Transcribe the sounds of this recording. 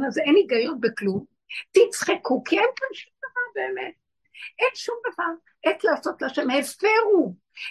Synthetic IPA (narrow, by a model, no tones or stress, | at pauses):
nazeniɡajonbeklum | tit͡sχikukienkanʃimdavanbeːmet̚ | ʔenʃumd̪avaʁ | et͡slaːso̞tlaʃemhefeʁu